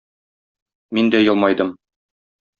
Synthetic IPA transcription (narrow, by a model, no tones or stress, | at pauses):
mind̪æjɤ̆lˠmɑjd̪ɤm